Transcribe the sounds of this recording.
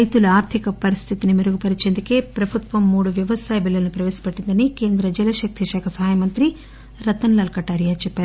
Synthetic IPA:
ɐjt̪ulɐaːɾt̪ʰikɐpɐɾist̪ʰit̪inimiɾuɡupɐɾit͡ʃeːnd̪ɐkeːpɾɐbʱut̪ʋɐmːuːɽuʋjɐʋɐsaːjɐbilːɐlnupɾɐʋeːsi̥pɐʈːind̪ɐnike̞ːnd̪ɾɐd͡ʒɐlɐʃɐk̚t̪iʃaːkʰɐsɐɦaːjɐmɐnt̪ɾi | ɾɐt̪ɐnlɐlkɐʈːaːɾijat͡ʃɛpːaːɾu

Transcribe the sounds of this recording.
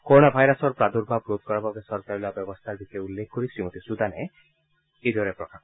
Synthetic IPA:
koɾonabʱajɾɔsɔɾpɾad̪uɾbʱab̚ɾod̪̚kɔɾababesɔɾkaɾilabjɔbɔst̪ʰaɾbiseulːekʰkoɾisɾimɔt̪isud̪ʱane | ed̪ʱɔɾepɾɔkʰa

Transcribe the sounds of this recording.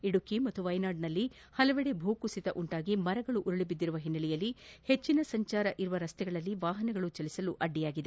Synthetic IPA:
iɽukimɐt̪ːuʋɐjnaːɖnɐlːi | hɐlɐʋɛɽebʱuːkusit̪ɐʔuɳʈaːɡimɐɾɐɡɐɭuʔuɾɐɭibid̪ːiɾuʋɐɦinːɐlɛjɐlːihe̞t͡ʃːinɐsɐɲt͡ʃaːɾɐʔiɾuʋɐɾɐst̪ɛɡɐɭɐlːiʋaːɦɐnɛɡɐɭut͡ʃɐlisɐluʔɐɖːijaːɡid̪e

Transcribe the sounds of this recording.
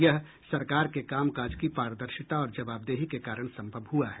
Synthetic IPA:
jɐɦ | sɐɾkaːɾkekaːmkaːd͡ʒkipaːɾəd̪əɾʃɪt̪aɔːɾd͡ʒɐbaːbd̪eːɦikekaːɾəɽ̃sɐ̃mbʱəbɦuaɦɛː

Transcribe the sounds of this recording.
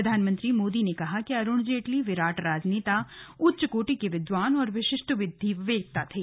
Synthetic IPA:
ɐd̪ʱaːnmə̃nt̪ɾimoːd̪inekɐɦakiɐɾʊɳd͡ʒeːʈliʋɪɾaːʈɾaːd͡ʒneːt̪aʊtːʃəkoːʈikeʋɪd̪ʋaːnɔːɾʋɪʃɪʃʈəʋɪd̪ʱːiʋeːk̚t̪at̪ʰeː

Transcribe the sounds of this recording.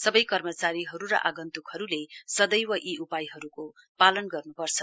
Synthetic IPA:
sʌbʌjkʌrmʌt͡saɾiɦʌɾuɾʌ̰ʔaɡʌnt̪ukhʌɾulesʌd̪ʌjwʌʔiʔupajɦʌɾuko | palʌnɡʌrnupʌrt͡sʰʌ

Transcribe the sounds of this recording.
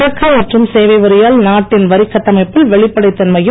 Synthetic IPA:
ɐkːɐɛʈrɯmseːʋɐɪʋɐɾɪjaːlnaːʈːɪnʋɐɾɪkːɐʈːɐmɐɪpːɪlʋɛɭɪpːɐɽɐɪt̪ːɐnmɐjɯ

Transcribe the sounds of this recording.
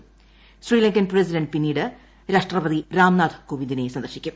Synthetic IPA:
sriːlɐŋkɐnpres̬idɐnɖpinːiːɽɨ | ɾeʂʈrɐʋɐðiɾaːmnaːd̪ʰʱɐ̥koːʋind̪ine̞sɐnd̪ɐrɕikʲːum

